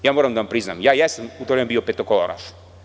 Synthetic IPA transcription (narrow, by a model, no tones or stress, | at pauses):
jaːmoɾamd̪aampɾizna̰mjaːjɛsamut̪oɾeambiopet̪okolo̰ɾa̰ʃ